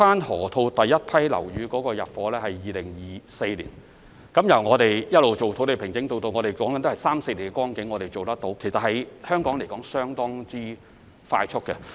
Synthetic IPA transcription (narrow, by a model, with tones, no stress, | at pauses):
faː˥nhɔ̰ː˨˩t̪ʰo˧wt̪ɐ˨jːɐ˥t̚pʰɐ˥jlɐ̰˨˩wjyː˨˧kɔː˨˥kɔː˧jɐ̰˨˩t̚fɔː˨˥lɛː˥hɐ˨jːiː˨lɪ˨˩ŋjiː˨˩se˧jlḭː˨˩n | kɐ˨˥mjɐ˨˩wŋɔː˨˧t̪e˨jjɐ˥t̚lo˨wt͡ʃo˨wt̪ʰwle˨˧jpʰɪ˨˩ŋkɪ˨˥ŋt̪o˧wt̪o˧wŋɔː˨˧ɾe˨jkɔː˨˥ŋkɐ˦n˥hsaː˥mse˧liː˨˩ŋɡɛ˧˥kwɔː˥ŋkɪ˨˥ŋːɔː˨˧ɾe˨jt͡so˨wt̪ɐ˥k̚t̪o˨˥wkʰsɐ˨t̚hɐ˨˥jhœː˥ŋkɔː˨˥ŋle˨˩jkɔː˨˥ŋsœː˥ŋt̪ɔː˥ŋt͡siː˥ | fa̰ː˧jt͡ʃʰʊ˥t̚kːɛ̰˧